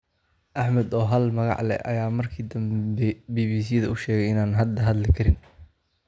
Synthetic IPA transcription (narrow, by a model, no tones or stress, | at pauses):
ʔɐħmɐd̪ɔːɦɐlmɐɣɑ̰ʕlɛ̰ɐ̰jaːmɐrkʰid̪ɐmbɛbiːβiːs̬iːðɐʊʃɛːɣɛjɪnaːnɦɐd̪ɐɦɐd̪lɪkʰɐɾɪn